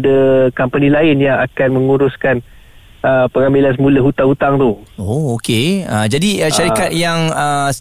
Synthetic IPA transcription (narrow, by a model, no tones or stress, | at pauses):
dəkampanilaɪnjaŋakanmə̃ŋuɾʊskan | əpəŋamilansəmuləɦut̪aŋhut̪aŋt̪uookeəd͡ʒadiəʃaɾikat̪̚jaŋə